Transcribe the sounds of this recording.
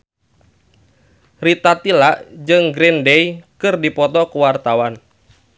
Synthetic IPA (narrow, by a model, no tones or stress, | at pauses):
rit̪at̪ilaʔd͡ʒɨŋɡɾindɛjkɨrdipɔt̪ɔkuwart̪awan